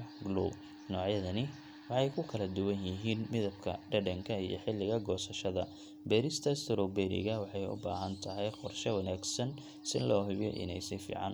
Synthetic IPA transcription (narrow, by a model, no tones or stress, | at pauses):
ɡlṵ | nɔːʕjɐðɐnɪ | wɑħɑjkʰʊkʰɐlɐd̪ʊwɐnjɪɦiːnmɪðɐbkʰɐ̰ɖɐɖɐŋkʰɐijɔ̰ħɪlːɪɣɐɡɔːsɐʃɐðɐ̰ | bɛːɾɪst̪ʰɐst̪ʰɾɔbɛnɪ̰ɣɐwɑħɑjʊ̰ba̰ːɦɐnt̪ʰɐɦɛjqɔrʃɛwɐnaːɡsɐn | sɪnlɔːɦɪbjɔ̰ʔɪ̰nɛ̰jsɪfḭːʕɑ̰n